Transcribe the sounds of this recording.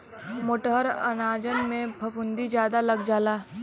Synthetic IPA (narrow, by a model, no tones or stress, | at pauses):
mʊʈəɦəɾɐ̰naːd͡ʒənmẽbʱɐpʊnd̪id͡ʒjaːd̪alɐɡd͡ʒaːlaː